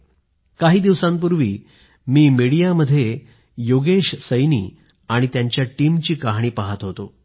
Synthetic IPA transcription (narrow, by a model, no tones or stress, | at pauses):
kaɦiːd̪iʋsãmp̬uɾʋḭː | miːmiɽijaməd̪ʱːje | joɡeɕsəjnḭː | aɽ̃it̪jaɲt͡ɕjaʈiːmt͡ɕiːkaɦɽ̃iːpaɦat̪ɦot̪o